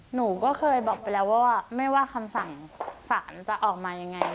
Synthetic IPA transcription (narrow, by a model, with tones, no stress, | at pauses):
nuː˩˦kɔː˥˩kʰɤː˧jbɔː˨˩k̚pa˧jlɛː˦˥waː˥˩waː˥˩ma˥˩jwaː˥˩kʰa˧msa˨˩ŋsaː˩˦nt͡ɕa˨˩ʔɔː˨˩k̚maː˧ja˧ŋːa˧j